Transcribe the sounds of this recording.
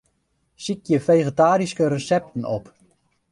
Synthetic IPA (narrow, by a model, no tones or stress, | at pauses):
sikjəfeːχətaːɾiskərəsɛp̚tən̩ɔp